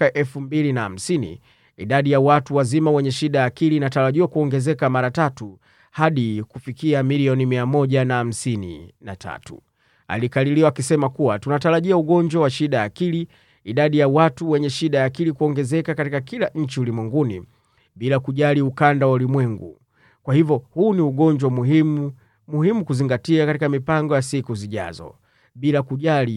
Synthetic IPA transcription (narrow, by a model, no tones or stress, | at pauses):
aʔɛlfumbilinaham̩sinḭ | iɗaɗijawatuwazimawɛɲɛʃiɗajaːkiliːnataɾaʄiwakuɔŋɡɛzɛkamaɾatatu | haɗikufikiamiliɔnimiamɔʄanaam̩sinḭna̰tʰa̰tṵ | a̰likaliliwakisɛmakuwatunataɾaʄiauɠɔɲd͡ʒwawaʃiɗajakili | iɗaɗijawatuwɛɲɛʃiɗajaːkilikuɔŋɡɛzɛkakatikakilaɲ̩t͡ʃiulimwɛŋɡuni | ɓilakuʄaliukandawɔlimwɛŋɡṵ | kwahivjɔhuːniuɡɔɲd͡ʒwamuimu | muhimukuziŋɡatiakatikamipaŋɡɔjasikuziʄa̰zɔ̰ | ɓilakuʄali